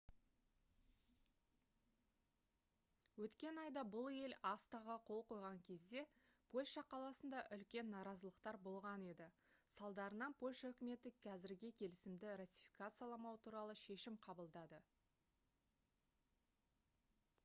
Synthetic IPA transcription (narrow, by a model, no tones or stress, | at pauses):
wɵt̪kʲe̞nɑjd̪ɑbʊlˠe̞lɑst̪ɑʁəqʰo̞lˠqo̞jʁɑŋkʲʰe̞zd̪e̞pʰo̞lʲʃɑqʰɑlˠɑsənd̪ɑʔʏlkʲe̞nːɑɾɑzəlˠəqt̪ɑɾbo̞lˠʁɑne̞d̪ɪ | sɑlˠd̪ɑɾənɑnpʰo̞lʲʃaɵkʲɪme̞t̪ɪkʲʰæzɪɾɡʲɪkʲʰe̞lɪsɪmd̪ɪrat̪ʲifikat̪sɨjalˠɑmɑwət̪ʰuɾɑlˠəʃe̞ʃɪmqʰɑbəlˠd̪ɑd̪ə